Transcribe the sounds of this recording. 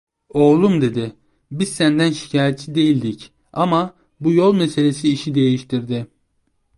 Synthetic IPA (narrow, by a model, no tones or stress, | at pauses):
o̞lˠumd̪e̞d̪ɪ | bizsænd̪ænʃi̥cʰaːjɛt̪sʰid̪e̞jilʲd̪ic | ama | bujo̞lˠmese̞lʲe̞siːʃid̪e̞jiʃt̪ʰiɾd̪ɪ